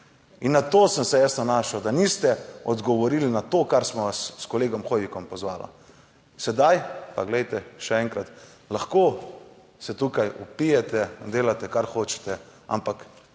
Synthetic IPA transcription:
inːat̪oːsəmsɛjasnanaːʃawd̪anist̪ɛɔd̪ɡɔʋɔɾiːlinat̪oːkaɾsmɔʋasːkɔleːɡɔmxojʋikɔmpɔzʋaːla̰ | sɛd̪ajpaɡlɛjt̪ɛʃɛɛːŋkɾat̪ | laxkoː | sɛt̪uːkajupijɛt̪ɛd̪eːlat̪ɛkaɾxoːt͡ʃɛ̥t̪ɛa̰mpak

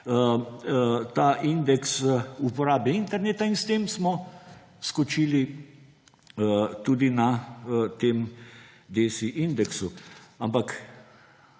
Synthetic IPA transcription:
t̪aːʔind̪ɛksupɔɾaːbjɛint̪ɛɾneːt̪ainst̪eːmsmɔ | skɔt͡ʃiːli | t̪ud̪inat̪eːm | d̪eːsiʔind̪ɛksuampak

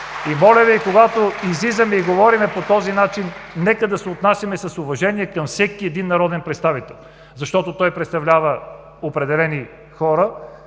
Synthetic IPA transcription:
imɔlʲɐviikoɡat̪oizlizɐmɛiɡovɔɾimɛpot̪ɔzinat͡ʃinːɛkəd̪ɐsɛot̪nasjɐmɛsɐsʊvɐʒɛniɛkɐmfsɛkiɛd̪inːɐɾɔd̪ɛnpɾɛt̪st̪avit̪ɛlˠ | zɐʃt̪ɔt̪ot̪ɔjpɾɛt̪st̪ɐvlʲavə | opɾɛd̪ɛlɛni | xɔɾə

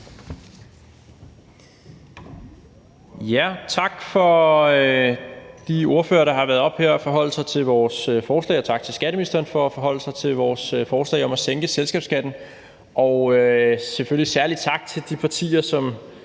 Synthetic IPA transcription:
jæt͡sʰɑ̈ɡ̥fɒ̽ | d̥io̝ɐfø̰ːɐɾ̥ɑ̈ɦɑ̈ʋæɐð̞ˠɒ̽b̥heɐ̰ɒfɒ̽ɦɒ̽l̰əsɑ̈ɪt͡sʰe̝lʋɒːsøfɒːslɛ̰ɪːɒt͡sʰɑ̈ɡ̥̚t͡sʰe̝lsɡ̥æɾəminisd̥ɐːnfɒ̽æfɒ̽ɦɒ̽l̰əsɑ̈ɪt͡sʰe̝ʋɒːsøfɒːslɛ̰ɪɒ̽mæseŋɡ̥əselsɡ̥ɛ̰ːb̥sɡ̥æd̥n̩ | ʔɒ̽ʊøsefølisæɐlid̥̚t͡sʰɑ̈ɡ̥̚t͡sʰe̝ld̥ipʰɑ̈t͡sʰḭːɐsɒ̽m

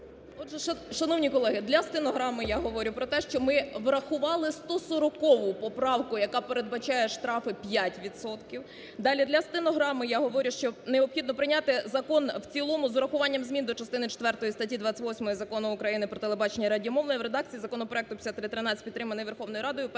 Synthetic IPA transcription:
ɔd̪ʒɛʃɐʃɐnɔʋnʲikɔlˠɛɦɪd̪lʲɐst̪ɪnɔɦɾɑmɪjaɦɔʋɔɾʲʊpɾɔt̪ɛʃt͡ʃɔmɪʋɾɐxʊʋɑlˠɪst̪ɔsɔɾɔkɔʋʊpɔpɾɑwkʊjɐkɑpeɾed̪̚bɐt͡ʃɑjɛʃt̪ɾɑfɪpʲjatʲʋʲid̪sɔt̪kʲiw | d̪ɑlʲid̪lʲɐst̪ɪnɔɦɾɑmɪjaɦɔʋɔɾʲʊʃt͡ʃɔneɔpxʲid̪nɔpɾɪnʲat̪ɪzɐkɔnwt͡sʲilˠɔmʊzʊɾɐxʊʋɑnʲːɐmzʲmʲind̪ɔt͡ʃɐst̪ɪnɪt͡ʃe̥t̪ʋɛrt̪ɔjist̪ɐtʲid̪ʋɑt͡sʲːɐtʲʋɔsʲmɔjizɐkɔnʊʊkɾɐjinɪpɾɔt̪elˠebɑt͡ʃenʲːɐɾɐdʲijmɔwnɔjiʋɾe̞d̪ɑk̚t͡sʲijizɐkɔnɔpɾɔɛk̚t̪ʊpʲsʲat̪ːɾɪt̪ɾɪnɑt͡sʲpʲit̪ːɾɪmɐnɪjʋerxɔwnɔjɾɑd̪ɔjʊp

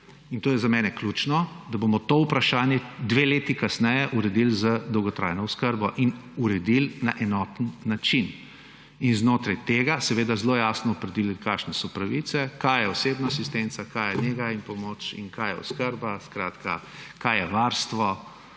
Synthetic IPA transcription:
int̪oːjɛzamɛːnɛkluːt͡ʃnɔd̪abomɔt̪oːupɾaʃaːnjɛd̪ʋeːleːt̪ikasnɛjɛʔuɾɛd̪ilzəd̪ɔwɡɔt̪ɾa̰ːjnɔʊskəɾbɔʔinuɾɛd̪ilnaʔɛnɔt̪nːat͡ʃin | inznoːt̪ɾajt̪eːɡasɛʋeːd̪azloːjaːsnɔːpɾɛd̪ililkaːʃnɛsɔpɾaʋit̪sɛkajjɛɔseːbnaːsist̪ent̪sakajɛneɡainpɔmot͡ʃḭnkaːjɛ̰ɔ̰skəɾbaskɾaːt̪kʰa̰ | kajɛʋaɾst̪ʋɔ

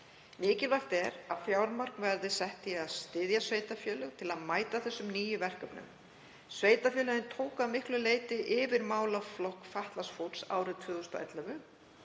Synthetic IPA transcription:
nɪːcɪlvar̥t̪ɛɾafjaːwɾmar̥knvɛɾðɪsɛht̪ɪaðst̪ɪðjasveːjt̪afjœːlʏɣt̪ʰɪlaðmaːjt̪aθɛsːʏmniːjʏvɛr̥kœpnʏ̰m | sveːjt̪afjœːlʏɣɪnt̪ʰoːwkaðmɪhklʏleːjt̪ɪʔɪvɪɾmaːwlaflɔhkfaht̪lasfowt̪sa̰ːwɾɪðt̪ʰvʏːɣʏst̪ɔ̰ʔɛ̰t̪lœvʏ

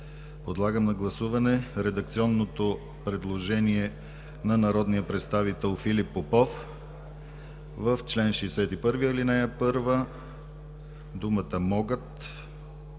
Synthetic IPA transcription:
pod̪lˠaɡəmnɐɡlˠɐsuvɐnɛɾɛd̪ɐk̚t̪siɔnːot̪o | pɾɛd̪lˠoʒɛniɛ | nɐnɐɾɔd̪nijəpɾɛt̪st̪avit̪ɛlˠfilipːopɔf | vəft͡ʃlɛnʃɛːsɛt̪ipɤɾvijəlinɛjəpɤɾvə | d̪umət̪əmɔɡət̪

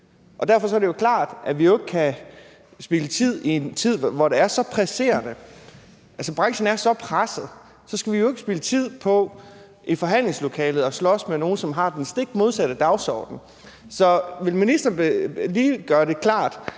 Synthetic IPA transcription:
ʔɒ̽d̥æɐfɒ̽sɒ̽ɐɾe̝jo̝kʰlɑ̰̈ːd̥ʔæʋijo̝e̝ɡ̥əkʰæ | sb̥ilət͡sʰið̞̰ˠie̝nt͡sʰið̞̰ˠʋɒd̥e̝æɐsɒ̽pʰʁæse̝̰ːɐnə | ʔælsɒb̥ʁɑ̈ŋɕn̩æɐsɒ̽pʰʁasəð̩ˠ | sɒ̽sɡ̥æʋijo̝e̝ɡ̥əsb̥ilət͡sʰið̞̰ˠpʰɒ̽ | ʔifɒ̽ɦæn̰le̝ŋslo̝kʰɛːlð̩ˠɒ̽slɒ̽smeno̝ːn̩sɒ̽mɦɑ̈d̥ensd̥e̝ɡ̥d̥mo̝ð̞ˠsæɾ̥əd̥ɑ̈ʊsɒ̰ːd̥n̩ | sɒ̽ʋe̝lminisd̥ɐnliːɡ̥ɶːɐɾe̝kʰlɑ̰̈ːd̥

